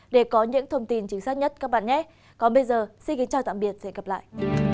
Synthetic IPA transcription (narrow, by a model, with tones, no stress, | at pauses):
ɗe˧˩kɔ˨˦ɲɨ̰˧˥ŋt̪ʰə˧wŋ͡mt̪i˧nt͡ɕi˨˦ŋsaː˦˥t̚ɲə˦˥t̚kaː˦˥k̚ɓa̰ː˧˨nɲɛ˨˦ | kɔ˨˩nɓə˧jzəː˨˩si˧nki˨˦nt͡ɕaː˨˧˩t̪a̰ː˧˨mɓi˨˩ət̚sɛ̰˧˥nɣə˨˩p̚la̰ː˧˨jʔ